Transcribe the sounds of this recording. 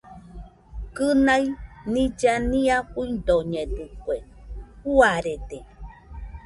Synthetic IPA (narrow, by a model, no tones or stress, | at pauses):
kɨnajnĩd͡ʒanĩakuind̪oɲẽdɨkweuaɾed̪e